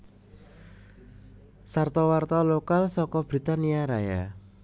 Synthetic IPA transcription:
sart̪ɔwart̪ɔlokalsɔkɔb̥ɾit̪aniaɾaja̰

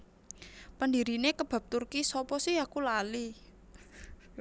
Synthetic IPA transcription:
pənd̪iɾinekəb̥ä̤p̚t̪urkisɔpɔsihakulali

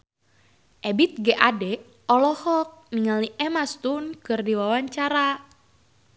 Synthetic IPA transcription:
ʔɛbit̪̚ɡɛʔadɛ | ɔlɔhɔk̚miŋaliʔɛmast̪unkɨrdiwawaɲt͡ʃaɾa

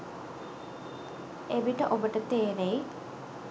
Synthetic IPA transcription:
eʋiʈəʔobəʈət̪eːnej

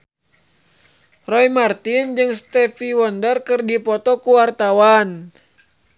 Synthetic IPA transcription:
rɔimart̪ind͡ʒɨŋst̪ɛfiwɔndərkɨrdipɔt̪ɔkuwart̪awan

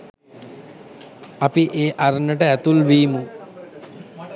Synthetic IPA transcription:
apiʔeːʔaɾənəʈəæt̪ulʋiːmu

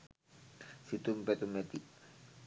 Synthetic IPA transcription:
sit̪umpɛt̪umet̪iʔ

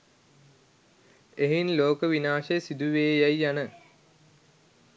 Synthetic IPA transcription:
eɦinloːkəʋinaːʃejsid̪uʋeːjajːanə

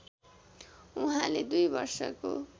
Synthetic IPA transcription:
uɦãled̪ujbʌ̰rsʌ̰ko̰

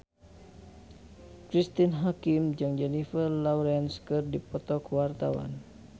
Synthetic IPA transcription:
kɾist̪inɦakimd͡ʒɨŋd͡ʒɛnifərlauɾɛnskɨrdipɔt̪ɔkwart̪awa̰n

